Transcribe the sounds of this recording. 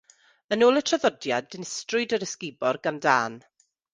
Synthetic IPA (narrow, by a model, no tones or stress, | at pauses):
ənoːlˠətʰraðɔdjadɪnɪstrʊdəɾəskɪbɔrɡanda̰ːn